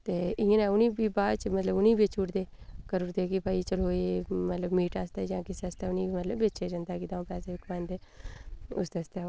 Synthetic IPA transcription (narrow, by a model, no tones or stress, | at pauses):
t̪eːɪ̃ə̃ːnɛːʊnĩːbiːbaːt͡ʃmət̪ləbʊnĩːbet͡ʃʰuːʈd̪eːkəɾuːɾd̪eːkɪpaːiːt͡ʃəloːeːmət̪ləbmiːʈaːst̪eːd͡ʒãːkɪsest̪ɛːʊnĩːimət̪ləbːeːt͡ʃʰeːd͡ʒə̃nd̪aːkɪt̪ãːpɛːseːɪkmãːnd̪eː | ʊ̰sd̪est̪ɛː